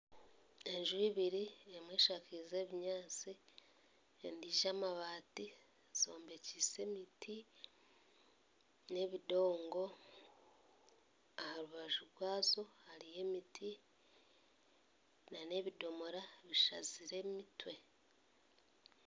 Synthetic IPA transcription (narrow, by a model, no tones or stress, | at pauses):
e̞ɲʒuiβiɾiemwe̞ːʃakize̞βiɲaːt͡si | ḛndiːʒamaβaːti | z̥o̞ːmbe̞cise̞miti | ne̞βido̞ːŋɡo̞ | ahaɾuβaʒuɾwaːzo̞haɾije̞mitʰi | nane̞βido̞mo̞ɾaβiʃa̰ziɾe̞mitwe̞